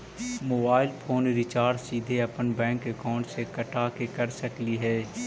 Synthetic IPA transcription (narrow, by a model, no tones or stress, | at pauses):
moːbaːɪlpʰoːnɾɪt͡ʃaːɾɖ̪siːd̪ʱeɐpənbɛ̃ːŋkekaːʊ̃ɳʈsekɐʈakekɐɾsɐkliɦɛː